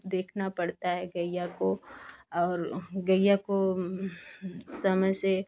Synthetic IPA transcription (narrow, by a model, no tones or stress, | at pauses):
d̪eːkʰnapɐɽt̪aɦɛɡəjːakoɔːɾɡəjːako | sɐməd͡ʒse